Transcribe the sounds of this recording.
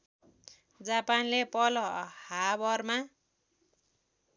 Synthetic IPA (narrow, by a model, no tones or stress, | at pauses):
d͡zapanlepʌlʌhabʌrma